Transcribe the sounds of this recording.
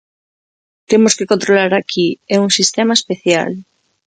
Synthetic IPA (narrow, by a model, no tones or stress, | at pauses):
t̪emoskekont̪ɾolaɾakʰiɛuŋsist̪emaespeθja̰l